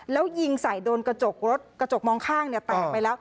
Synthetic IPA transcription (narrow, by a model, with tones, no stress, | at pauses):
lɛː˦˥wji˧ŋsa˩˦jdoː˧nka˧t͡ɕo˨˩k̚ɾo˦˥t̪̚ka˧t͡ɕo˨˩k̚mɔː˧ŋkʰaː˥˩ŋni˥˩ɐt̪a˨˩pa˧jlɛː˦˥w